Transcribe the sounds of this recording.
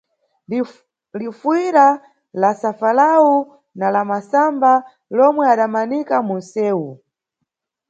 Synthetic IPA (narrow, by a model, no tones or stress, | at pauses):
lifwiɾa | lasafalau | nalamasamba | lɔmwɛaɗamanikamun̩sɛːwu